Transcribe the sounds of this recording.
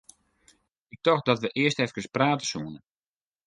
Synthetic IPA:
ɪk̚tɔxdɔtʋəʔɪəstɛfkəspraːtə̥suənə

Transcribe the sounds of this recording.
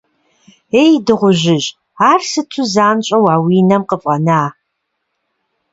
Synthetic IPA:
eːjdɨʁʷʊʒɪʑ | aːrsɨtʰuzaːnɕʼɐwaːwiːnɐmqəpʼɐnaː

